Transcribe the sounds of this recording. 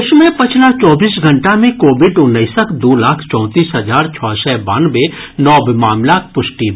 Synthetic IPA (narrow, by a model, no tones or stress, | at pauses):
ʊt͡ʃmẽpɐt͡ʃʰlat͡ʃɔːbiːsɡʱɐ̃ɳʈamẽkoːbɪɖʊnːəɪsəkʰd̪oːlaːkʰt͡ʃɔ̃ːt̪iːsɦɐd͡ʒaːɾt͡ʃʰɔsɛbaːnbe | nɔːbɪmaːmlaːk̚pʊʃʈi